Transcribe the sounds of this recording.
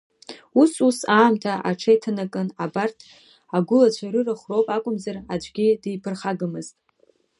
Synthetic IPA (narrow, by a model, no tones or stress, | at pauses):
ususaːmtʰaʔaʈ͡ʂʰajtʰanakʼɨnabartʰ | aɡʷʊlat͡ɕʷʰaɾɨraχʷrowpʼakʷʼʊmzarad͡ʒʷʼɡʲidijpʰɨrχaɡɨmɨztʼ